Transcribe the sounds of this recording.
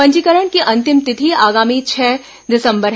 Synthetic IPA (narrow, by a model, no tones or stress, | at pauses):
ɐ̃ɲd͡ʒikəɾəɳ̃kiʔɐ̃nt̪ɪmt̪ɪt̪ʰiaːɡaːmit͡ʃʰɛː | d̪ɪsə̃mbəɾɦ